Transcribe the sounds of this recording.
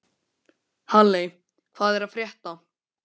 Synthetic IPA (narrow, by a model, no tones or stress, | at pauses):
halːej | kʰvaːðɛɾaðfɾjɛht̪a